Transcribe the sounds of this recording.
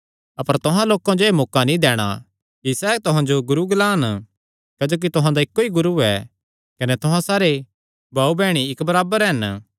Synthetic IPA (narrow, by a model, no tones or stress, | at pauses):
ɐpəɾt̪ʊɦãloːkãd͡ʒoemoːkanĩd̪ɛːɽ̃a̰ | kisɛːt̪ʊɦãd͡ʒoɡʊɾuɡɐlaːn | kɐd͡ʒoːk̬it̪ʊɦãd̪aɪkːoiɡʊɾuɛ̰ | kɐnɛt̪ʊɦãsaːɾe | bʱaːubɛːɽ̃iɪkbɐɾaːbəɾɦɐn